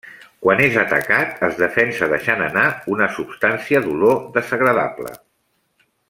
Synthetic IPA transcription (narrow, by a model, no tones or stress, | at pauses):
kwanezət̪ə̰kat̪əzðəfɛnsəðəʃanənaunəsupst̪ansiəðuloðəzəɣɾəða̰plə̰